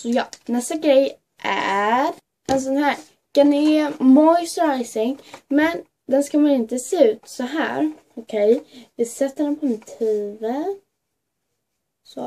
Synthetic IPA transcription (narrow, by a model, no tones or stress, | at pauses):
sɔjɑːnɛst̪aɡɾɛj | ʔæ̰ɾ | ʔɛns̬ɔnɦæːɾ | kanɪmɔjst̪ɾaɪsɪŋmɛn | d̪ɛnskamanɪnt̪əseːʉ̟ːt̪sɔɦæ̰ːɾ | ɔkʰɛjvɪsɛt̪ːəɾɛnpʰɔɛnt̪ʰeːvə | so